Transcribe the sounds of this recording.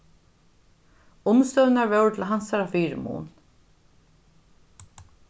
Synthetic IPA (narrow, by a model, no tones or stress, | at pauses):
ʊmst̪œwnaɹvɛwt̪ʰɪlɦansaɾafiːɾɪ̰mṵːn